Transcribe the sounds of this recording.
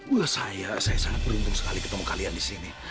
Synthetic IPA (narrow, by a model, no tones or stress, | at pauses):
ulahsajasajasaŋat̪̚bəɾunt̪ʊŋsə̥kalikət̪əmɔkaliandisini